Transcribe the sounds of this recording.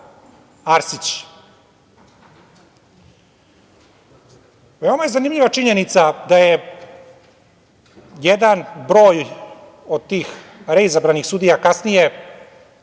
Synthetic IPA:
aɾsit͡ɕ | ʋe̞o̞majezanimʎiʋat͡ʂiɲenit̪sad̪aje | jed̪anbɾo̞ːj | od̪̚t̪iːx | ɾeizabɾanixsud̪ijakasnije̞

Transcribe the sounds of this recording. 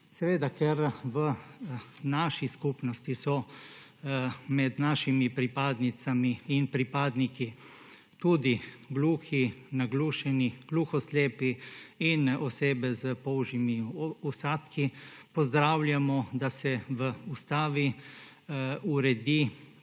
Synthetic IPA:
sɛʋeːd̪akɛɾʋə | naʃiskupnɔst̪isɔ | mɛd̪naːʃimipɾipaːd̪nit̪samiːnpɾipaːd̪niki | t̪uːd̪iɡluːxinaɡluːʃɛniɡ̥luːxɔsleːpiinɔseːbɛzəpɔːwʒimiusaːt̪kipɔzd̪ɾaːwlʲjamɔd̪asɛʋəust̪aːʋi | uɾɛd̪i

